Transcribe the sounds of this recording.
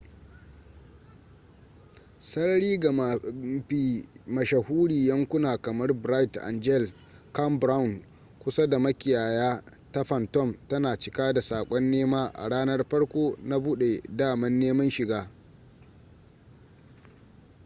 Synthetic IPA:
sɐ˦ɽɐ˦ɽiː˦ɡa˨i˨mɐ˨ʃɐ˨huː˦ɽiː˨jɐ˦ŋkʷʊ˦naː˨kɐ˨mɐ˦rbɾa˦jtʔa̰˨nd͡ʒɛ˦˨l | kɐ˦mbɾa˦wʊ˨n | kʷʊ˦sa˦da˨mɐ˦kʲɪ˨jaː˨jaː˦ | ta˦ɸɐ˨ntɔ˦mtɐ˦naː˨t͡ʃɪ˦kaː˦da˨saː˨kʷʼɔ˦nːeː˦maː˦ʔa̰˨ɽaː˦nɐ˦rɸɐ˦ɽkʷoː˦na˦buː˦ɗe˨daː˦˨mɐ˦nːeː˦mɐ˦nʃɪ˨ɡaː˦

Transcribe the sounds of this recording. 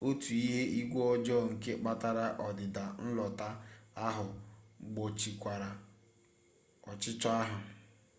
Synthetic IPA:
o˦tu˨i˦ɦe˦i˦ɡʷo˦ɔ˦d͡ʒɔ˦ŋ̩˨ke˦k͡pa˦ta˦ɾa˦ʔɔ˨dɪ˨da˨n̩˦lɔ˨ta˦a˦ɦʊ˨ɡ͡bo˨t͡ʃi˨kʷa˨ɾa˨ | ɔ˨t͡ʃɪ˦t͡ʃɔ˦a˦ɦʊ˨

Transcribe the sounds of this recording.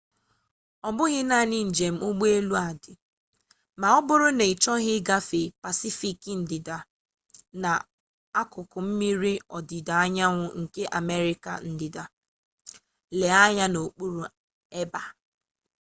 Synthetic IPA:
ɔ˨bʊ˦ɣɪ˦na˦˨nɪ˦n̩˨d͡ʒe˨m̩˦ʊ˦ɡ͡be˦lu˦a˨dɪ˨ | ma˨ɔ˦bʊ˦ɾʊ˦ne˨i˨t͡ʃɔ˦ɣɪ˦ɡa˦fe˨pa˨si˦fi˨kn̩˨dɪ˨da˨ | na˨ | a˦kʊ˨kʊ˨m̩˦mi˦ɾi˦ɔ̰˨dɪ˨da˨a˦ɲa˦ŋʷʊ˦ŋ̩˨ke˦ʔa˨me˦ɾi˦ka̰˨n̩˦dɪ˨da˨ | le˨a˦ɲa˦no˨k͡pu˦ɾu˨ | e˦ba˨

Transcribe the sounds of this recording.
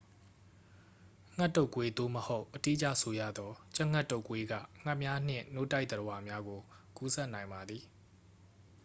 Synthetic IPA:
ŋ̥a˦tːo˦ʊ˨kwe˦d̪o̰˦˨məho˦ʊʔːəti˦ʔt͡ɕa̰˦˨sʰo˨jä̰˦˨d̪ɔ˦t͡ɕa˦ʔŋa˦˨tːo˦ʊ˨kwe˦ɡä̰˦˨ŋ̥a˦ʔmja˦n̥ɪ̰̃˦˨no̰˦˨ta˦ɪʔt̪əɾə˨wa˨mja˦ɡo˨ku˦sʰɛ˦ʔnã˨ɪ̃mba˨d̪ði˨

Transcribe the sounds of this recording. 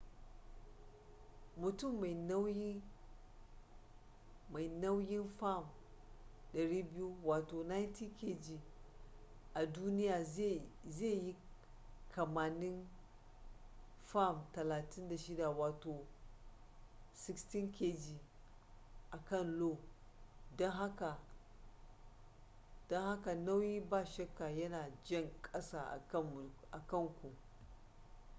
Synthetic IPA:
mu˨tu˦˨mːa˨n˦w | a˨jna˦wji˦nfa˦˨m | ɗɐ˨ɾiː˦bi˦ju˦waː˨to˨na˦jnti˦ke˦d͡ʒi˨ | ʔa˨du˦ni˦ja˨˦ze˦˨ji˦ | kʰɐ˨ma˨ni˦n | fa˦˨mtɐ˨laː˨ti˦nda˨ʃi˦da˨waː˨to˨ | si˦ksti˦nkʰe˦d͡ʒi˨ | ʔa˨kɐ˦˨nlo˦˨ | do˦nɦa˦ka˨ | d̥o˦nha˦ka˨na˦wji˦ba˦˨ʃɐ˦kːa˨jɐ˦na˨d͡ʒɐ˦˨ŋkʼɐ˦sa˨a̰˨ɐ˦˨ʔa˨kɐ˦ŋkʷu˨

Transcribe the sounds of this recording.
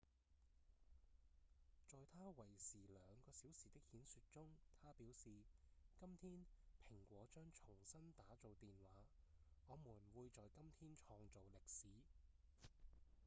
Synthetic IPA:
t͡ʃɔː˨jt̪ʰaː˥wɐ˨˩jsiː˨˩lœː˨˧ŋkɔː˧siː˨˥wsiː˨t̪ɪ˥k̚hiː˨˥nsy˧t̚t͡ʃʊ˥ŋt̪ʰaː˥piː˨˥wsiː˨kɐ˥mt̪ʰiː˥npʰɪ˨˩ŋkʷɔː˨˥t͡ʃœː˥ŋt͡ʃʰʊ˨˩ŋsɐ˥nt̪aː˨˥t͡so˨wt̪iː˨nwaː˨˥ŋɔː˨˧muː˨˩nwuː˨˧jt͡ʃɔː˨jkɐ˥mt̪ʰiː˥nt͡ʃʰɔː˧ŋt͡so˨wlɪ˨k̚siː˨˥

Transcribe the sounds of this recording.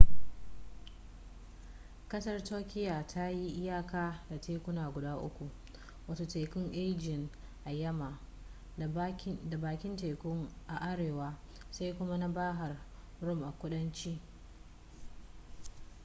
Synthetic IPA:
kɐ˦sɐ˦rtoː˦kʲɪ˦ja˨tʰa˦ji˦ʔɪ˦jaː˦kaː˦da˨teː˦kʷʊ˦naː˨ɡʷʊ˨daː˦ʔʊ̰˦kʷu˨ʔ | wɐ˦to˨te˨kʊ˦ŋʔe˦d͡ʒɪ˨ŋʔa˨jɐ˦ma˨ | da˨baː˨kʲɪ˦nte˨kʊ˦ŋʔa˨ʔa˦ɽeː˨waː˦ | sa˦jkʷʊ˦ma˦na˦baː˦ɦa˨r | ɽʊ˦˨mʔa˨kʷʊ˦ɗɐ˦nt͡ʃiː˦

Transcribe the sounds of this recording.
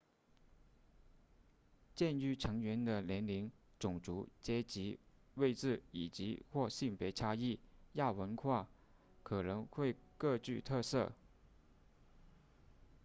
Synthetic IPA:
t͡ɕjɛ˥˧ny˥˩ʈ͡ʂʰɤ˧˥ŋɥɛ˧˥nd̪ə˧ljɛ˧˥nli˧˥ŋʈ͡ʂʊ˨˩ŋʈ͡ʂu˧˥t͡ɕjɛ˥t͡ɕi˧˥we˥˧ɪʈ͡ʂɹ̩˥˩i˨˩t͡ɕi˧˥xwɔ˥˧ɕi˥˩ŋpjɛ˧˥ɪʈ͡ʂʰa˥i˥˩ja˥˩wə˧˥nkʰwa˥˩ | kʰɤ˨˩nɤ˧˥ŋxwe˥˧ɪkɤ˥˧t͡ɕy˥˧t̪ʰɤ˥˧sɤ˥˩

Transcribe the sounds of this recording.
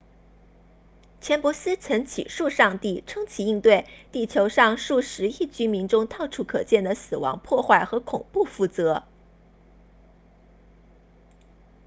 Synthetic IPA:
t͡ɕʰjɛ˧˥npwɔ˧˥sɹ̩˥t͡sʰɤ˧˥ŋt͡ɕʰḭ˨˩ʂu˥˧ʂɑ˥˧ŋt̪i˥˩ʈ͡ʂʰɤ˥ŋt͡ɕʰi˧˥i˥˧ŋt̪we˥˩ɪt̪i˥˩t͡ɕʰjo˧˥ʊʂɑ˥˧ŋʂu˥˩ʂɻ̩˧˥i˥˩t͡ɕy˥mi˧˥nʈ͡ʂʊ˥ŋt̪ʰɑ˥˩ʊʈ͡ʂʰu˧˥kʰɤ˨˩t͡ɕjɛ˥˩nd̪ə˩sɹ̩˨˩wɑ̰˧˥ŋpʰwɔ˥˧xwa˥˩ɪxɤ˧˥kʰʊ˨˩ŋpu˥˧fu˥˩t͡sɤ˧˥

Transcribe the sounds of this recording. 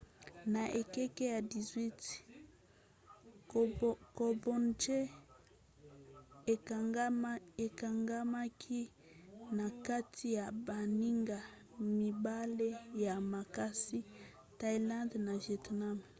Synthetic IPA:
na˨ʔe˨kɛ˦ke˦ja˨di˨zwi˦t | ko˨bo˨nd͡ʒe˦˨˦ | e˨ka˨ŋɡa˦ma˦kʰi˦ | na˨ka˦tʰi˦ja˨ba˨ni˦ŋɡa˨ | mi˨ba˦le˦ja˨ma˨ka˦si˦ | ta˦i˦lã˦ndna˨vjɛ˨tna˦m

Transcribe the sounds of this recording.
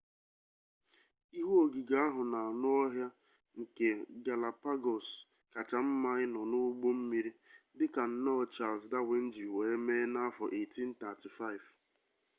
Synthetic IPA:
i˦ɦu˦o˨ɡi˨ɡa˨˦a˦ɦʊ˨na˨a˨nʊ˦ɔ˦ɦja˦ | ŋ̩˨ke˨ɡa˨la˨pa˦ɡɔ˨s | ka˨t͡ʃa˨m̩˦ma˦ɪ˦nɔ˨nʊ˦ɡ͡bo˦m̩˦mi˨ɾi˦dɪ˦ka˨n̩˨nɔ˦˨t͡ʃa˦˨lzda˦we˨n̩˦d͡ʒi˨we˨e˦me˦na˦fɔ˨ʔe˨ti˦n̩˦ta˨ti˨fa˦ɪ˨v

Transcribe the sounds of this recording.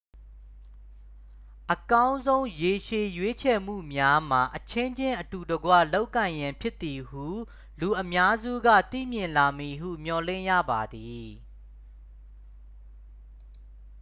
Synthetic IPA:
ʔəkã˦ʊ̃nzõ˦ʊ̃je˨ʃe˨jwe˦t͡ɕʰɛ˨m̥ṵ˦˨mja˦m̥a˨ʔət͡ɕʰɪ̃˦ɲd͡ʑɪ̃˦ʔətu˨dəɡwä̰˦˨lo˦ʊkːã˨ɪ̃jã˨mpʰjɪ˦t̪ːi˨hu˦˨ | lu˨ʔəmja˦zṵ˦˨ɡä̰˦˨t̪ḭ˦˨mjɪ̃˨nla˨mi˨ɦṵ˦˨m̥jɔ˨lɪ̰̃˦˨jä̰˦˨ba˨d̪i˨

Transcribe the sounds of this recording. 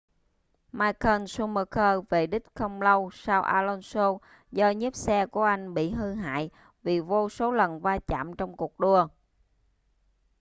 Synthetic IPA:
maː˧jkəː˧nsu˧məː˧kʰəː˧ve˨˩ɗï˦˥k̟̚xə˧wŋ͡mlə˧wsaː˧wʔa̰ː˧lɔ˧nso˧ | zɔ˧ɲi˦˥p̚sɛ˧ku˧˩əʔa˧jŋ̟ɓḭ˧˨ɦɨ˧ɦa̰ː˧˨j | vi˨˩vo˧so˨˦lə˨˩nvaː˧t͡ɕa̰ː˧˨mt͡ɕɔ˧wŋ͡mku˨˩ək̚ɗu˧ə

